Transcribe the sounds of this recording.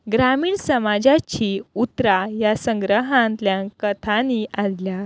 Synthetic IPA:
ɡɾamiːɳsəmad͡ʑat͡ɕiut̪ɾajasə̃ŋɡɾəɦãnt̪ljãkət̪ʰaniʔaslja

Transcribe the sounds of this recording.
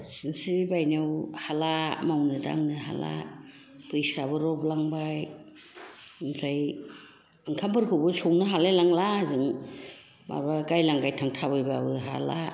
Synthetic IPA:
sinsiibajnawhalamawnɯda̰ŋnɯɦa̰la̰ | pʰɯjsabɯɾɔblaŋbaj | ɯŋsaj | ɯŋkʰampʰɯɾkʰɯbɯsʰɔŋnɯɦalajlaŋlazɯŋ | ma̰ɾbaɡajlaŋɡajtʰaŋtʰabɯjbabɯɦa̰la

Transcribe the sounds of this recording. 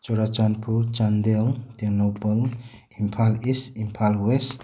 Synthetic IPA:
t͡ʃɔɾat͡ʃanpuɾt͡ʃand̪eltenowpɔl | impʰalisimpʰalwes

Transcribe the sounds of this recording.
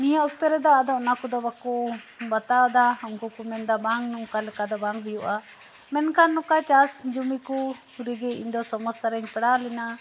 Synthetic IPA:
nijɔʔɔk̚t̪əɾɛd̪ɔad̪ɔɔnakɔd̪ɔbakɔ | bat̪ad̪aɦɔmkɔkumɛnd̪abaŋnuŋkalɛkad̪ɔbaŋɦujuʔa | mɛnkʰanːɔkat͡ʃasd͡ʒumiku | ɾiɡɛḭɲd̪ɔsɔmɔsaɾɛɲpɛɽalɛna

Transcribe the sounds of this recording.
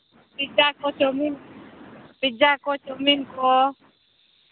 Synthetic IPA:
pid͡ʒakot͡ʃomin | pid͡ʒakot͡ʃominko

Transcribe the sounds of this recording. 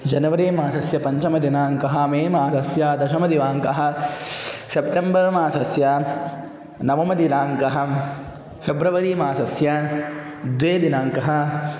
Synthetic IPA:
d͡ʒɐnɐʋɐɾeːmaːsɐsjɐpɐɲt͡ʃɐmɐd̪inaːŋkɐɦɐmeːmaːsɐsjaːd̪ɐʃɐmɐd̪iʋaːŋkɐɦɐ̆ | sepʈembɐɾmaːsɐsjɐ | nɐʋɐmɐd̪inaːŋkɐɦɐ̆ | fʰebɾɐʋɐɾiːmaːsɐsjɐ | d̪ʋeːd̪inaːŋkɐɦɐ̆

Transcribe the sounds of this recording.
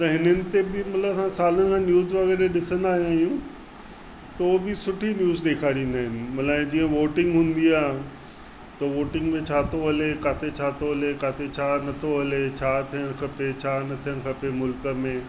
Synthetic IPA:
t̪ɐɦɪnənɪ̆t̪ebɪmɐt̪ləbsãsaːlənɪkʰãːnjuːzʋɐɣɛːɾeɗɪsə̃nd̪aːɦijaːɦijũ | t̪ɐobɪsʊʈʰinjuːzɗeːkʰaːɽĩːnd̪aːɦɪnɪ̆mɐt̪lãd͡ʑiːə̃ʋoːʈɪ̃ŋɡɦũːnd̪iaːɦ | t̪ɐʋoːʈɪ̃ŋɡmẽt͡ɕʰaːt̪oɦɐlekaːt̪ʰet͡ɕʰaːt̪oɦɐlekaːt̪ʰet͡ɕʰaːnɐt̪ʰoɦɐlet͡ɕʰaːt̪ʰijəɽ̃xʰɐpet͡ɕʰaːnɐt̪ʰijəɽ̃xʰɐpemʊlkə̆mẽː

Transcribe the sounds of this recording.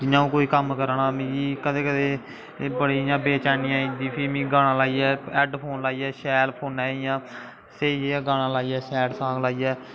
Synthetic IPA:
d͡ʒɪnːãːũːkoːiːkəmkəɾɳãːmĩːiːkəd̪eːkəd̪eː | bəɽiːjãːbeːt͡ʃaːniːãːĩːnd̪iːpʰiːmĩːɡaːɽ̃ãːlaːiːɛːɛːɖpʰoːnlaːiːɛːʃɛːlpʰoːnɛːijãː | seːieãːɡaːɽ̃ãːlaːiːɛːʃɛːɖsãːŋɡlaːiːɛː

